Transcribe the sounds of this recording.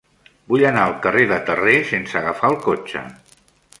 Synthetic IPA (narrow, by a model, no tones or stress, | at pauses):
bujənaəlˠkəreðət̪əresensəɣəfaəlˠkot͡ʃə̰